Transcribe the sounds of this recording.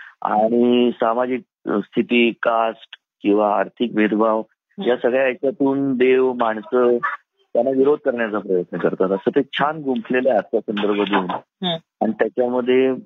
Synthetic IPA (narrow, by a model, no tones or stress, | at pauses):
a̰ɽ̃isamad͡ʑik̚st̪ʰit̪iːkasʈ | kĩw̃ʋa̰ːɾt̪ʰikmet̪bʱaʋ | jasəɡɭjaːjt͡ɕjat̪uːnd̪eʋmaɳsə | t̪janːaʋiɾod̪̚ʱkəɾɳjat͡sapɾəjət̪nəkəɾt̪at̪əsət̪et͡ɕʰanɡumpʰleleatsasənd̪əɾbʱəd̪euːn | aɽ̃it̪jat͡ɕjaməd̪ʱːje